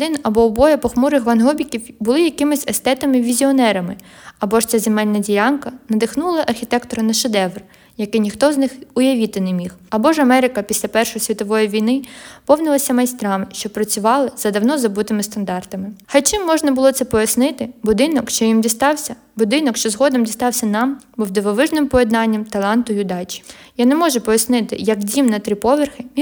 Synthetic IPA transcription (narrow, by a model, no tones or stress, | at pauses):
d̪ɪnɐbɔːbɔjɛpɔxmuɾɪxʋɐnɦɔbʲikʲiwbʊlˠɪjɐkɪmɪsʲɛst̪ɛt̪ɐmɪʋʲizʲiɔnɛɾɐmɪɐbɔʃt͡sʲazemɛlʲnɐdʲilʲɑnkɐnɐd̪ɪxnulˠɐʔɐrxʲit̪ɛkt̪ɔɾɐnɐʃed̪ɛʋr | jɐkɪjnʲixt̪ɔznɪxʊjɐʋʲit̪ɪnemʲixɐbɔʒɐmɛɾɪkɐpʲisʲlʲɐpɛrʃɔjisʲʋʲit̪ɔʋɔjiʋʲijnɪpɔwnɪlˠɐsʲɐmɐjst̪ɾɑmɪʃt͡ʃɔpɾɐt͡sʲʊʋɑlˠɪzɐd̪ɐwnɔzɐbut̪ɪmɪst̪ɐnd̪ɑrt̪ɐmɪxɐjt͡ʃɪmːɔʒnɐbʊlˠɔt̪sɛpɔjɐsnɪt̪ɪbʊd̪ɪnɔkʃt͡ʃɔjimdʲist̪ɑwsʲɐ | bʊd̪ɪnɔkʃt͡ʃɔzɦɔd̪ɔmdʲist̪ɑwsʲɐnɑmbʊwd̪ɪʋɔʋɪʒnɪmpɔjɛd̪nɑnʲːɐmt̪ɐlˠɑnt̪ʊjʊd̪ɑt͡ʃʲi̥janɛmɔʒɛpɔjɐsnɪt̪ɪ̰jɐkdʲimnɐt̪ɾipɔʋɪrxɪ